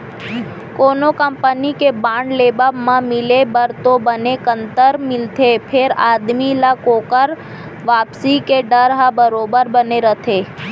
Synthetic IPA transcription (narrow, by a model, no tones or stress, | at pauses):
konokəmpənikebãɳɖlebabmãmɪlebəɾt̪obənekənt̪əɾmɪlt̪ʰepʰeɾad̪milakokəɾ | ʋapsikeɖəɾɦabəɾobəɾbəneɾət̪ʰe